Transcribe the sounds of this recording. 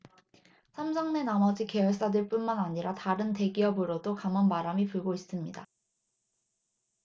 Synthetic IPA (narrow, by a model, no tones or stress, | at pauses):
sʰamsʰʌŋne̞namʌd͡ʑike̞ʌɭs͈adeɭp͈unmanaɲiɾataɾɯnte̞ɡiʌbɯɾodokamʌnbaɾamipuɭɡois͈ɯmɲida